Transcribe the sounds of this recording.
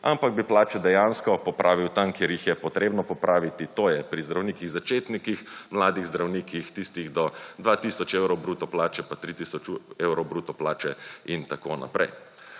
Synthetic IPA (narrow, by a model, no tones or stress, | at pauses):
ampaɡ̚biplaːt͡ʃɛd̪ɛjanskɔpɔpɾʔaːʋiwt̪amkjeːɾjixjɛpɔt̪ɾeːbnɔpɔpɾaːʋit̪it̪oːjɛpɾizd̪ɾawniːkiɣzat͡ʃeːt̪nikixmlaːd̪iɣzd̪ɾawniːkixt̪ist̪iɣd̪ɔd̪ʋat̪isɔt͡ʃewɾɔwbɾuːt̪ɔplaːt͡ʃɛpat̪ɾit̪isɔt͡ʃewɾɔbɾuːt̪ɔplaːt͡ʃɛint̪akona̰pɾɛ̰j